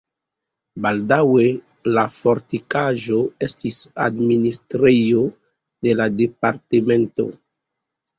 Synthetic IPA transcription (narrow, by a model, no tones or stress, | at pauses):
baldawe | lafoɾtikaʒo̞estisa̰dministɾejo | de̞lade̞paɾtemento̞̰